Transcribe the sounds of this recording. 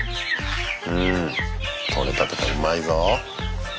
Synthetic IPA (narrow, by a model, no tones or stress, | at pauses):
ɯ̃ | kʰo̰ɾet̪at̪ekaɯmaizo